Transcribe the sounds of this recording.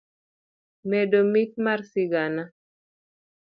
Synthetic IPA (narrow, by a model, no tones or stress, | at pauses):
medomit̪̚marsiɡana